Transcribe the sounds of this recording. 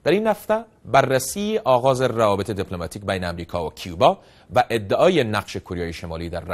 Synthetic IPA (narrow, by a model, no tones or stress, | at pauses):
d̪̥æɾiːnhaft̪æ | bærːæsiːeʔɒːɣɒːzeravɒːbet̪ʰed̪iplomat̪ʰiːk̚bæjneamɾiːkʰɒvakʰijubɒ | væʔed̪ːeʔɒːjenaqʃekʰoɾjɒːjeʃemɒːliːd̪æɾː